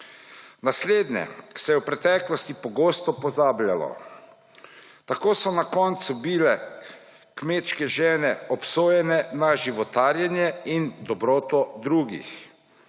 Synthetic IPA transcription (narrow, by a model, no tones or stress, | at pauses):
nasleːd̪nɛ̰̥sɛjɛwpɾɛt̪ɛːklɔst̪ipɔɡoːst̪ɔpɔzaːblʲjalɔ̰ | t̪akoːsɔnakɔːnt̪subilɛ | kmeːt̪ʃkɛʒɛːnɛɔpsoːjɛnɛnaʒiʋɔt̪aːɾjɛnjɛind̪ɔbɾoːt̪ɔd̪ɾuːɡḭx